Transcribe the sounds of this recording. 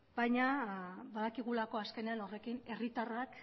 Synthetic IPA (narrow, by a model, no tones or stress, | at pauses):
bajɲabaðakiɣ̞ulako̞aske̞ne̞ano̞re̞kine̞rit̪arak